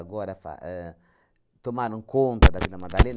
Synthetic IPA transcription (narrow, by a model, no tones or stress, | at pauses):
aɡoɾafa̰ɛ | t̪omaɾuŋkont̪adavilamad̪alen